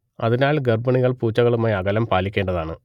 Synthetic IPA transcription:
ɐðinaːlɡɐrbɐɳiɣɐɭpuːt͡ɕːɐɣɐɭumaːjɐɣɐlɐmpaːlikʲːeːɳɖɐðaːɳɨ

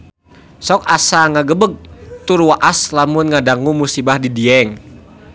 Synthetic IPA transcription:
sɔk̚asaŋaɡəbəɡ̚t̪urwaʔaslamʊnŋadaŋumusibahdidiɛŋ

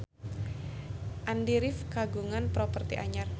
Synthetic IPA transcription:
ʔandiɾɪfkaɡuŋanpɾopərt̪iʔaɲar

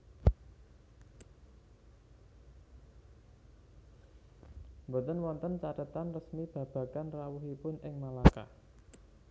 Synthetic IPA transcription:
mbɔt̪ənwɔnt̪ənt͡ʃaɾət̪anrəsmib̥ä̤b̥ä̤kanrawuɦipʊnɪŋmalaka̰

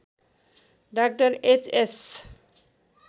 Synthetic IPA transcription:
ɖak̚ʈaɾet͡ɕes

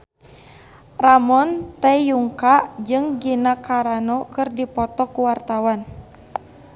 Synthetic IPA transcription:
ramɔnt̪ɛjuŋkaʔd͡ʒɨŋɡinakaɾanɔkɨrdipɔt̪ɔkuwart̪awan

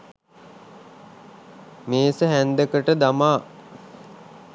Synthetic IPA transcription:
meːsəɦænd̪əkəʈəd̪amaː

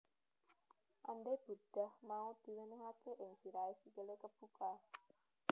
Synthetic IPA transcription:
ʔanɖeb̥ṳɖ̥a̤hmaud̪̥i̤wənəɦakeʔɪŋsiɾaesikelekəb̥uka

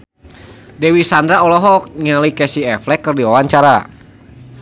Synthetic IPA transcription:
dɛwisandɾaɔlɔɦɔk̚ŋalikɛsiɛflɛkːərdiwawaɲt͡ʃaɾa̰

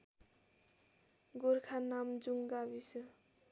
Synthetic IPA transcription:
ɡoɾkʰanamd͡ʒuŋɡabisɯ

